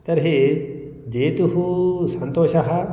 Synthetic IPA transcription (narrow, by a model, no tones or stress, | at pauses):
t̪ɐɾɦe | d͡ʒeːt̪uɦũsɐnt̪oːʃɐɦɐ